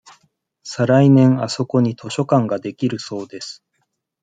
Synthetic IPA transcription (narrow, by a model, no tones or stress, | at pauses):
saɾainẽ̞ɴ̃aso̞ko̞ɲ̟it̪ʰo̞ɕo̞kãŋɡad̪e̞kʲiɾɯ̟so̞ːd̪e̞sɨ̥